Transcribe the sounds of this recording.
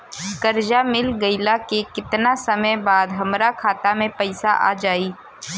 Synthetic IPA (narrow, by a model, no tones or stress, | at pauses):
kɐɾd͡ʒamɪlɡəɪlakekɪt̪nasɐməjbaːd̪ɦɐmɾakʰaːt̪amẽpɐɪsaʔa̰ːd͡ʒaːiː